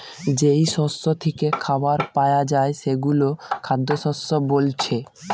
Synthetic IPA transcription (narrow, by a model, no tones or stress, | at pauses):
d͡ʑejʃɔsːot̪ʰekekʰabaɾpajad͡ʑaeʃeɡulokʰad̪ːoʃɔsːobolt͡ɕʰe